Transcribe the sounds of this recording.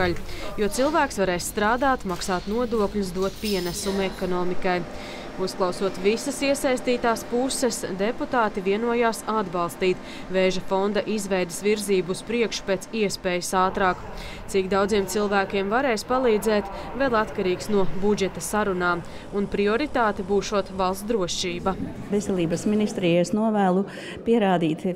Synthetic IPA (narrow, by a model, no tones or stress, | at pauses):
aljuɔt̪silˠvæːksvaɾɛːsːt̪ɾaːd̪aːt̪maksaːt̪nuɔd̪uɔklʲus̬d̪uɔt̪piɛnæsumɛkɔnɔːmikaj | usklˠɑwsuɔt̪visɐsiɛsajst̪iːt̪aːspusːɛsd̪eput̪aːt̪iviɛnuɔjaːsad̪balˠst̪iːt̪ | veːʒɐfond̪ɐʔizvɛjd̪ɪsviɾziːbuːspɾiɛkʃu̥peːt̪siɛspeːjɐsaːt̪ɾaːk | t̪sikd̪awd̪ziɛmt̪silˠvæːkʲiɛmvaɾeːjspalˠiːd̪zɛːt̪ | vɛlˠat̪kaɾiːksnuɔbud͡ʒɛt̪ɐsaɾunaːm | unpɾiɔɾit̪aːt̪ɛbuːʃuɔt̪valˠsd̪ɾuɔʃt͡ʃiːbɐ | vesʲɛlʲˠiːbɐsminist̪ɾijesnuɔvæːlˠu | piɛɾaːd̪iːt̪